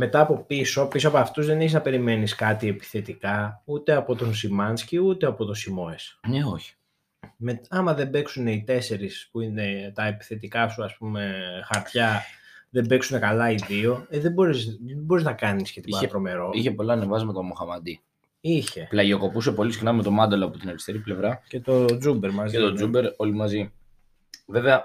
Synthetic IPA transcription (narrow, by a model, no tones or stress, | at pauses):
me̞t̪ɐːpo̞piso̞pisoɐpoɐft̪uzðe̞neçeznɐpe̞ɾime̞niskɐt̪ie̞pi̥θe̞t̪ikɐut̪e̞ɐpo̞t̪o̞nsimɐnsciut̪e̞ɐpo̞t̪o̞simo̞e̞sneoçi̥ | me̞t̪ɐmɐðe̞be̞ksune̞it̪e̞se̞ɾispuine̞t̪ɐepi̥θe̞t̪ikɐsuɐspume̞xɐɾt̪çɐðe̞be̞ksune̞kɐlɐiðio̞eðebo̞ɾiszbo̞ɾiznɐkɐniscet̪iibɐet̪ɾo̞me̞ɾo̞içe̞polɐːnevɐzmɐt̪omoxɐmɐd̪i | içe̞plɐʝio̞ko̞puse̞po̞lisixnɐmet̪o̞mɐnd̪eloɐpot̪inelist̪eɾiple̞vɾɐce̞t̪o̞d͡zube̞ɾmɐzet̪od͡zube̞ɾo̞limɐzi | ve̞veɐ